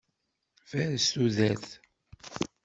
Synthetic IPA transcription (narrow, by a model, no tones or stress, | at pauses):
væɾsuðæθ